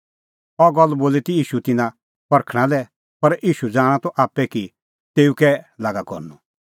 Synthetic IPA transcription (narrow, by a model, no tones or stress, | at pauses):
ɔɡɔlːboːlit̪iiːʃut̪ɪnã | pɐɾkʰɽ̃ãlɛ | pɐɾiːʃud͡zaːɽ̃ãt̪ɔʔaːpːɛki | t̪eːukɛlaɡakɔ̰ɾnu